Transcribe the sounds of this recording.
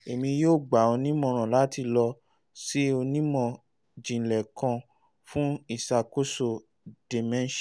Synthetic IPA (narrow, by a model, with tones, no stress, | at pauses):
e˨mĩ˧joː˦˨ɡ͡ba˨o˧nĩ˦mɔ̃˦˨ɾ̃ã˨la˨˦ti˧lɔ˧ | si˦o˧nĩ˦mɔ̃˦˧˨ | d͡ʒĩ˨lɛ˨kã˧ | fũ˦i˦˨sa˧ko˦so˦˨ | d̥e˨mɛ̃˦n˦ʃ